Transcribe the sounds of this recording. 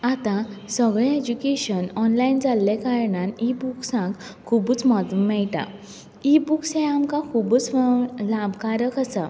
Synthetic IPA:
at̪ãsəɡɭɛed͡ʑukeɕənɔnlaind͡zalːekaɾɳãnibuksãkkʰːubuːt͡smɔd̪mɛɭʈa̰ | ibuksẽamkakʰubut͡slabʱkaɾəkəsa

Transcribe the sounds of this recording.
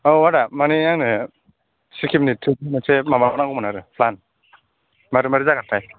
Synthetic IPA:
ɔwadamaniaŋnɯ | sikʰiminitʰːɯmasʰemamabanaŋkɔmɔnaɾɯpʰlan | maɾɯmaɾizakatʰaj

